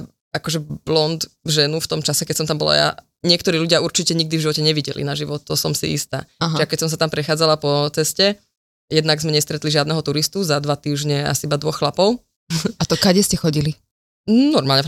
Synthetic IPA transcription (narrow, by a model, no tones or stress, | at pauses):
akɔʒɛblɔnd̪ʒɛnuft̪ɔmt͡ʃasɛkɛcsɔmt̪ambɔla̰ja̰ | ɲɪɛkt̪ɔɾiːʎuɟɪauɾt͡ʃicɛɲiɡ̚d̪ivʒiʋɔcɛɲɛʋiɟɛ̰lḭnaʒiʋɔt̪̚t̪ːɔsɔmsḭist̪a̰ːaɦʒiakɛcsɔms̬at̪ampɾɛxaːd͡zalapɔt͡sɛscɛ | jɛd̪naɡzmɛɲɛst̪ɾɛt̪liʒɪad̪nɛɦɔt̪uɾist̪uzad̪ʋat̪iːʒɲɛa̰sibad̪ʋɔxxlapɔʊ | at̪ɔkaɟɛscɛxɔɟili | nɔɾmaːlɲɛ